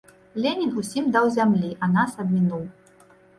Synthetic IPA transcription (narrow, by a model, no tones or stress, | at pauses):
lʲenʲinusʲimd̪awzʲamlʲiʔɐnasɐb̚ʲmʲinuw